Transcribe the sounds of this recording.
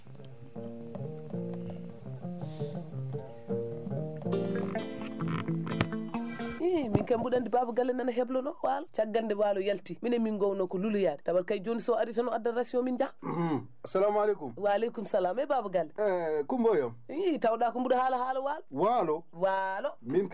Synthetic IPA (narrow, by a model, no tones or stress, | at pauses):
iminkambuɗandibabuɡalːɛnanaɦɛblɔnɔwalɔt͡ʃaɡːalndɛwalɔjaltiminɛminɡɔwnɔkɔlulujaɗɛtawaɾkajd͡ʒonisɔaditanɔadːaɾasiɔmind͡ʒa | asalamalekumwalekumsalamɛbabuɡalːɛɛkumbɔjɔmitawɗakumbuɗahalahalɔwalɔwalɔwalɔmin